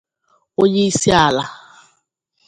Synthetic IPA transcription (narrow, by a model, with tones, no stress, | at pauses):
o˦ɲe˦i˦si˦a˨la˨